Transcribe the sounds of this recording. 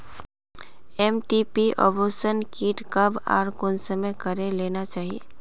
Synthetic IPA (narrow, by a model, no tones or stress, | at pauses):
ɛmʈipiʔɔ̰ːbosənkiːʈkəba̰ːɾkʊnsəməkəɾeleːnat͡ʃaːɦiḛː